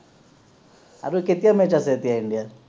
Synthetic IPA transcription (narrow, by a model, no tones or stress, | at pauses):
a̰ɾuket̪iamɛt͡ʃasɛt̪iaindia